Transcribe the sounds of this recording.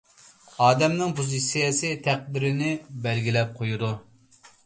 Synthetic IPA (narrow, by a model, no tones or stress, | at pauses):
ɑːd̪ɛmnɪŋpʰozisijɛsɨt̪ʰæq̚d̪ɪɾɪnɪbɛlɡʲilɛp̚qʰojud̪u